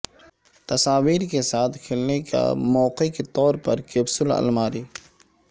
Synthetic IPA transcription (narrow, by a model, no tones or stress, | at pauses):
t̪ɐsaːʋiːɾkesaːt̪ʰkʰɪlneka̰mɔːqeket̪ɔːɾpɐɾkeːbsʊlɐ̰lmaːɾiː